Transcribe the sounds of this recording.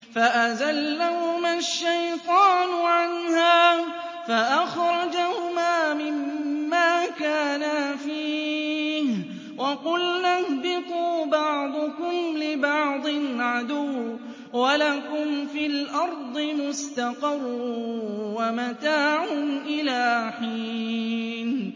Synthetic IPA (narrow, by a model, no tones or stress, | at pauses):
faʔazalːahʊmaʃːajt̪ˤɑːnʊʕanhaː | faʔaxɾˤɑd͡ʒahʊmaːmɪmːaːkaːnafiː | h | wʔɑqʊlnahbɪt̪ˤuːbɑʕd̪ˤʊkʊmlɪbɑʕd̪ˤɨnʕad̪ʊw | walakʊmfiːlʔɑɾˤd̪ˤɨmʊst̪aqɑrˤːuwamat̪aːʕʊmʔɪlaːħiː | n